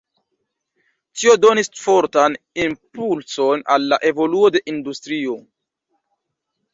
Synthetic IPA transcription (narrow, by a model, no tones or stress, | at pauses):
tio̞do̞nisfo̞ɾtan | impulso̞nalːa̰ʔe̞vo̞luo̞de̞ʔindustɾio̞